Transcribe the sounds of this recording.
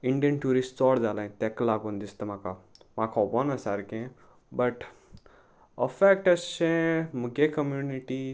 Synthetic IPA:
ĩɳɖijənʈuːɾisʈt͡sɔːɽd͡zaːlaĩt̪eklaːɡõnd̪ist̪emãːkamaːkʰɔbɔnɐsaɾkẽ | bɐʈ | əfeːk̚ʈɐst͡ʃẽmuɡekɐmjuːniʈi

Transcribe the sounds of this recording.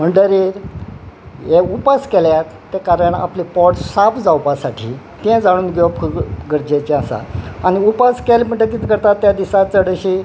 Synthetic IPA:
m̤əɳɖəɾiːɾ | jeupaskeljat̪ːekaɾəɳa̰plipɔʈsapd͡zawpasaʈʰḭː | t̪ɛ̃d͡zaɽ̃uːnɡɔpkʰəɡəɾd͡ʑet͡ɕeasa̰añiupaskelməɳʈəkiːt̪kəɾt̪at̪ːjad̪isat͡səɽəɕiː

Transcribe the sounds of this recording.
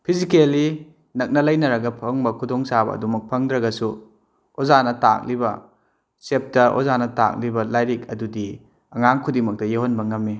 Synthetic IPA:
pʰizikeli | nɐk̚nɐlɐjnɐɾɐɡɐpʰɐŋbɐkʰudoŋsabɐ̰ːdumɐk̚pʰɐŋdɾɐɡɐsu | ozanɐta̰k̚libɐ̰ | sep̚tɐʔo̰zanɐta̰k̚libɐlajɾik̚ɐdudi | ɐŋaŋkʰudimɐk̚tɐjeɦonbɐŋɐmːi

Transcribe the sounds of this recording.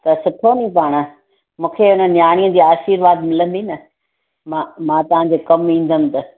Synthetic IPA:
t̪ɐsʊʈʰonĩpaːɽ̃ə | mũːkʰeʊnənjãːiə̃d͡ʑiːaːʃiːɾʋaːd̪mɪlə̃n̆d̪inɐ | mãmãːt̪ɐʋ̤ãɲd͡ʑeːkɐmĩːn̆d̪ʱəmɪ̆t̪ɐ

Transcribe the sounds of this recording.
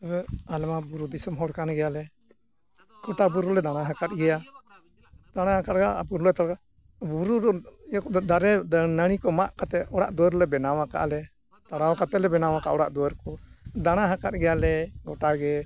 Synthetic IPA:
almabuɾud̪isəmɦɔɽkanɡɛjalɛ | ɡ̥ɔʈabuɾulɛd̪aɽ̃aɦakat̪̚ɡɛja | d̪̥aɽ̃aɦakat̪̚ɡabuɾulɛt̪aɽka | buɾuɾɔkd̪aɾɛnəɽ̃ikɔmaʔkat̪ɛɔɽa̰ʔd̪ɔwɛɾlɛbɛnawaka̰ʔlɛ | t̪aɽawakat̪ɛlɛbɛnawaka̰ʔɔɽaʔd̪ɔwəɾkɔd̪aɽ̃aɦakat̪̚ɡɛjalɛɡɔʈaɡɛ

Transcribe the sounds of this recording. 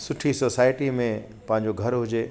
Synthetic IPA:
sʊʈʰisoːsaːɪʈimẽ | pɐ̃ɦɪ̃ɲ̆d͡ʑoɡʱɐɾɦʊd͡ʑeː

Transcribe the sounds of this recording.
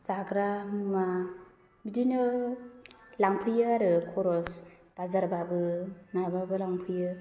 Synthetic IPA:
saɡɾamɯma | bidinɯ | laŋpʰɯjɯaɾɯkʰɔɾɔs | b̥azaɾbabɯnababɯlaŋpʰɯjɯ

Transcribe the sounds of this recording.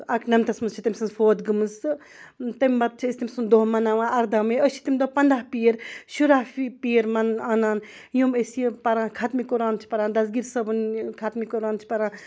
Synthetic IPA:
ɐknɐmt̪ɐsmɐnzt͡ʃʰit̪ɐmʲsɐnzfoːd̪ɡɨmɨsɨ | t̪ɐmʲbɐt̪̚t͡ʃʰiist̪imsund̪oːmɐnaːʋãːɐɾd̪amẽəʃʰi̥t̪imʲd̪opɐnd̪aːɦpijeɾʃuɾaɦipiːɾmɐnaːnaːn | jumesjepɐɾãːkʰat̪mikoɾaːnt͡ʃʰi̥pɐɾaːnd̪ɐsɡiɾsɐbɨnkʰat̪mikoɾaːnt͡ʃʰi̥pɐɾãː

